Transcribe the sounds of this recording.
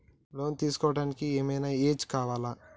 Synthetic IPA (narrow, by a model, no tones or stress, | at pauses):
lo̞ːnt̪iːsu̥kɔːʋɐɽaːnikieːmɐjnaːeːt͡ʃkaːʋaːla